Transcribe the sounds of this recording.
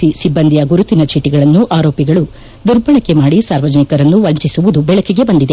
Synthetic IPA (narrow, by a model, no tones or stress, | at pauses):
isibːɐnd̪ijɐɡuɾut̪inɐt͡ʃʰiːʈiɡɐɭɐnːuʔaːɾoːpiɡɐɭu | d̪uɾbɐɳɐkːe̞maːɽisaːɾʋɐd͡ʒɐnikɐɾɐnːuʋɐɲt͡ʃisuʋud̪ubɛɭɐkeɡe̞bɐnd̪id̪e̞